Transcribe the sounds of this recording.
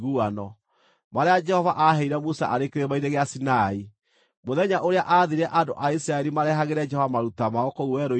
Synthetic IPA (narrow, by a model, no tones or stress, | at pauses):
ɣuanɔ | maɾead͡ʒɛhɔvaʔaɦɛiɾɛmusa̰ʔaɾekeɾemaineɣeasinai | moðɛɲaʔoɾeaʔaðiɾɛʔandoʔaisɾaɛɾimaɾɛɦaɣeɾɛd͡ʒɛhɔvamaɾutamaɔkouwɛɾo